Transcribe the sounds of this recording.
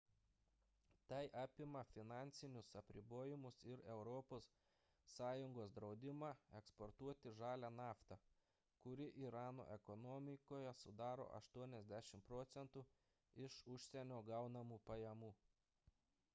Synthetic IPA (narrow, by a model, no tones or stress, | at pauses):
t̪ɐɪʔɑːpʲɪmɐfʲɪnɑˑnʲt̪sʲɪnʲʊsɐpʲɾʲɪboːjɪmʊsɪɾɛʊɾɔpoːsː | ɑːjʊŋɡoːsd̪ɾɒʊd̪ʲɪmɑːɛkspɔɾt̪uɔt̪ʲɪʒɑːlʲæːnɑːft̪ɑ | kʊɾʲɪʔiːɾɑːno̰ːʔɛkɔnɔmʲɪkoːjɛsʊd̪ɑːɾo̰ːʔɐ̰ʃt̪uɔnʲɛzʲd̪ʲæʃʲɪmpɾɔːt̪sʲɛnt̪uː | ɪʃʊʃʲsʲɛnʲoːɡɐʊnɐmuːpɐjɛmuː